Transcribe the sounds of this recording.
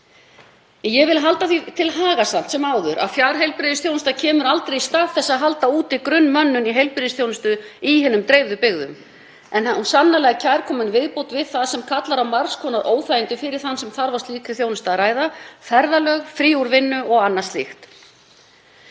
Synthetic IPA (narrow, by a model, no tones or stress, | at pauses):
jɛɣvɪlɦalt̪aθit̪ʰɪlɦaːɣasam̥t̪sɛmaːwðʏɾa̰ðfjaːɾ̥ɦejlpɾɪðɪsθjownʏst̪acʰɛːmʏɾalt̪ɾejist̪aːðθɛsːaðɦalt̪auːt̪ɪkɾʏnːmœnːʏniɦejlpɾɪðɪsθjownʏst̪ʏihɛnʏmt̪ɾeːjvðʏpɪɣðʏ̰m | ɛnaunsanːalɛɣacʰaːjɾ̥kʰɔːmʏnvɪðpowt̪vɪðθaðsɛmkʰat̪laɾawmaɾskʰɔːnaɾʔoːwθajɪnt̪ʏfɪɾɪɾ̥θansɛmθaɾvast̪liːt̪ʰɪ̥θjownʏst̪aɾaːjðafɛɾðalœːɣfɾiːuɾvɪnːʏɔɣanːḁst̪lɪ̰xt̪